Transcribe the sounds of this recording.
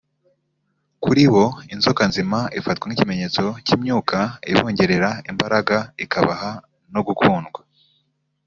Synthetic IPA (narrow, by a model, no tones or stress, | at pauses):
kuɾiβo̞inzokanzimaifatɡwaŋicime̞ɲe̞ːt͡so̞ciːmɲuːkaḭβo̞ːɲɟe̞ɾe̞ɾaimbaɾaɡaikʰaβaha | no̞ɡukʰuːnɡwa